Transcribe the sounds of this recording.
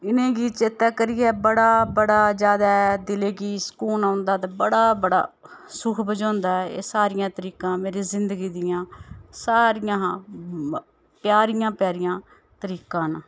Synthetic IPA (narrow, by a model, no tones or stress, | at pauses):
ɪnẽːɡiːt͡ʃet̪aːkəɾɪjɛːbəɽaːbəɽaːd͡ʒjaːd̪aːɛd̪ɪleːkiːsə̥kuːnãːʊ̃nd̪aːt̪aːbəɽaːbəɽa̰ːsʊkʰbəd͡ʒãːnd̪aːɛḛːsaːɾɪjãːt̪əɾiːkãːmeːɾeːzɪnd̪əɡiːd̪ɪjãːsaːɾɪjãː | pjaːɾɪjãːpjaːɾɪjãː | t̪əɾiːkãːnaː